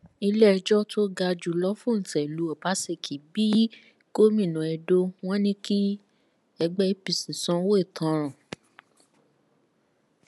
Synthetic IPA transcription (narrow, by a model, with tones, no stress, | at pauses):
i˧lɛ˦˧d͡ʒɔ˦tʰo˦ɡa˧d͡ʒu˨lɔ˦fũ˦n̩˨tɛ˨lu˨˦ɔ˨ba˨˦se˦˨kʰi˨bi˦ | ɡ̥o˦mĩ˦˨nũ˨ɛ˧do˧˦w̃ɔ̃˦nĩ˦ki˦ | ɛ˧ɡ͡bɛ˦i˦pi˧sĩ˨sɔ̃˨˦wo˦i˦˨tʰã˨˦ɾ̃ã˨